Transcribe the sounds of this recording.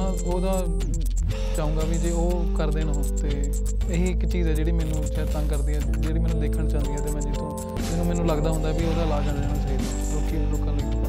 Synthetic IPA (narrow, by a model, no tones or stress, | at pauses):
oːd̪aː | t͡ʃaːũːɡaːbiːd͡ʒeːoː | kəɾd̪eːnãːt̪eː | eɦiːɪkt͡ʃiːzɛːd͡ʒeːɽiːmɛːnũːt͡ʃɛːt̪ə̃ŋkəɾd̪iːɛːd͡ʒeːɽiːmɛ̃ːnũd̪eːkʰəɽt͡ʃaːnd̪iːɛːt̪eːmɛ̃ːd͡ʒɪt̪õː | d͡ʒɪnũːmɛ̃ːnũːləɡd̪aːɦʊ̃nd̪aːbioːd̪aːlaːɡəɳd̪eːɽ̃aːt͡ʃaːiːd̪aːd̪oːkiːɖʊkːə̃nleː